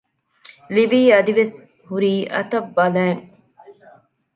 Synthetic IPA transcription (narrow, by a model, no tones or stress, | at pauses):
liʋiːɐd̪iʋes | huɾiːʔɐ̰t̪ɐbːɐlæːŋ